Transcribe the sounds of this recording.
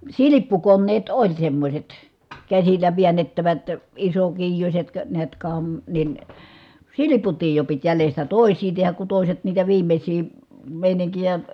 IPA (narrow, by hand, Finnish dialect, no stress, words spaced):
silipːukonːeːt olʲ semːosʲet kæsilːæ ʋiænːetːæʋæt isokiːjusʲet kə niæt kɑm nin siliputiːj jo pit jælestæ toˑi̯sˑiː tehæk ku toˑi̯set niːtæ ʋiːmesʲiː meˑiniŋkijæ